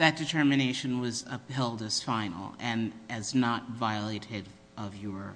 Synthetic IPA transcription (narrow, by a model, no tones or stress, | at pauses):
ðɨt̚d̥ɨtʰɜ˞mɨneɪʃɨ̃nwʌzʌphɛlˠdɨz̥fãɪ̃nl̩ˠɨ̃nʔɨznət̚vaɪəleɪɾɪɾ | ʔʌvjəɹ